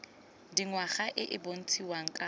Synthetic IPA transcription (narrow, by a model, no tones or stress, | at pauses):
diŋwaχaʔɪʔɪbon̩t͡sʰʼiwaŋ̩kʼa